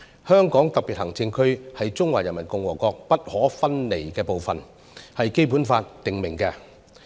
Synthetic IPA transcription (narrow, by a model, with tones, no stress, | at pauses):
hœː˥ŋkɔː˨˥ŋt̪ɐ˨k̚piː˨t̚hɐ˨˩ŋt͡sɪ˧nkʰɵ˥ɥhɐ˨jt͡sʊ˥ŋwaː˨˩jɐ˨nmɐ˨˩nkʊ˨˧ŋwɔː˨˩kɔː˧k̚pɐ˥t̚hɔː˨˥fɐ˥nle˨jkɛː˧po˨wfɐ˨n | hɐ˨jke˥jp̬uː˨˥nfaː˧t̚t̪ɪ˨ŋmɪ˨˩ŋkɛː˧